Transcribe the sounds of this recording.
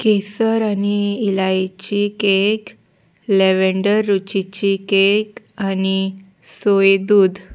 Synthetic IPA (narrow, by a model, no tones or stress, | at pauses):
kesəɾaniːlajt͡ɕikek | leʋeɳɖəɾːut͡ɕit͡ɕikek | ani | sojd̪uːd̪